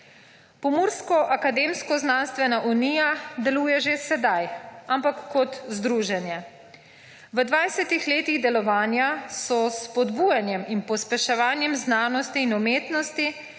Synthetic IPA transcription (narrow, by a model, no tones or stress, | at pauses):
pɔmuːɾskɔʔakad̪eːmskɔznaːnst̪ʋɛnaʔuniːjad̪ɛluːjɛʒesɛd̪ajampakːɔt̪zd̪ɾuːʒɛnjɛ | ʋəd̪ʋajsɛt̪ixleːt̪iɣd̪ɛlɔʋaːnjasɔspɔd̪bujanjɛminpɔspɛʃɛʋaːnjɛmznaːnɔst̪iːnɔmeːt̪nɔst̪i